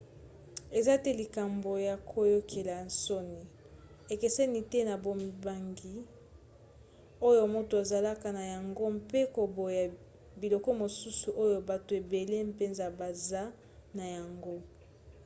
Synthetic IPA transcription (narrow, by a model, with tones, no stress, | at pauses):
e˨za˦tɛ˦li˨ka˨mbo˨ja˨kʰo˦jo˦kʰe˨la˨n̩˨so˦ni˨ | e˨ke˨sɛ˦ni˨tɛ˦na˨bo˨m˨ba˨ŋɡi˨ | o˦jo˦˨mo˦to˨a˨za˨la˦ka˨na˨ja˨ŋɡo˦mpe˦ko˨bo˨ja˨ | bi˨lɔ˨kɔ˦mo˨su˦su˨ʔo˦jo˦ba˨to˨e˨be˨le˦mpe˦nza˨ba˨za˦ | na˨ja˨ŋɡo˦